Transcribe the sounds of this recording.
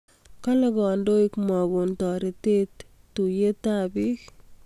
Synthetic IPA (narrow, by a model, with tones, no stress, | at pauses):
ka˦lɛɡɔ˨ndo˦ɪ˦kmɔ˨ɡu˨ntɔ˨ɾi˨te˦t̪ː | u˨je˦ta˦bi˦k